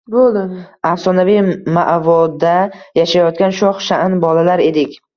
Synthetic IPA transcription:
bolɪafsɒnavijma̰ʔvɒd̪ajaʃajɒt̪kʲanʃɒχʃaʔɪnbɒlalaɾe̞d̪ɪkʲ

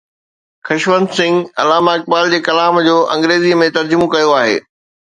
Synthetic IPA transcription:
xɐʃʋənd̪sɪ̃ŋɡɐ̰laːmaɐk̚baːld͡ʑeːkɐlaːmd͡ʑoːʔɐ̃ŋɡɾeːziːəmẽt̪ɐɾd͡ʑʊmokɐjoaːɦḛː

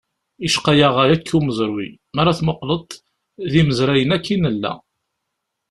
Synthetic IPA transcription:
iʃqajaʁaɾækʰːuməzˤɾwḭ | mæɾaθməqlət̪ˤ | ðiməzɾæjənækːinəlːæ̰

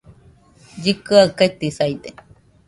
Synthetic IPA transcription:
d͡ʒikɨaket̪isajd̪e

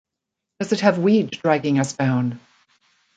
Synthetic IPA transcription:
d̥ʌzɨt̚hɨvwiddɹæɡɪ̃ŋʌsb̥ãʊ̃nd̥

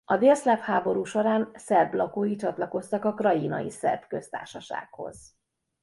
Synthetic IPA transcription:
ɒd̪eːlslaphaːbo̞ɾuːʃoɾaːnsɛrblɒkoːjit͡ʃɒt̪lɒko̞st̪ɒkɒkrɒjinɒ̰jḭsɛ̰rbkø̞st̪a̰ːrʃɒʃa̰ːkho̞̰z̥

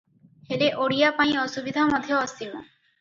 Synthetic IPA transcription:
heleʔoɽijapaj̃ɔsubid̪ʱamɔd̪ʱjoɔsimo̰

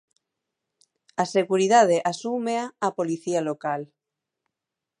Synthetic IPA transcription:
aseɣuɾiðað̞eʔasumeaːpoliθialokal

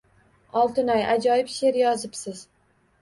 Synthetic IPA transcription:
ɒlˠt̪ɪnajad͡ʒɒjɪpʃe̞ɾjɒzɪpsɪz

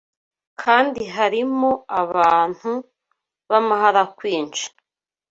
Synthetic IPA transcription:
kʰaːndiɦaɾimoaβaːn̥hu | βamaɦaɾakwiːnt͡ʃḁ

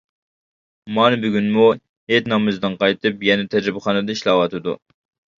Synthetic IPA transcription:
mɑnɨbyɡʲynmu | het̪nɑmɨzd̪ɨnqɑjt̪ɨpjɛnɛt̪ʰɛd͡ʒɾɪbɨχɑːnɨd̪ɑiʃlˠɑwɑt̪ʰɨd̪ṵ

